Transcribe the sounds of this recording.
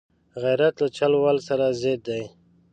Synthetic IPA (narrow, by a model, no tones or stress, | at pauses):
ɣajɾat̪lat͡ʃalwalsaɾazed̪̚d̪aj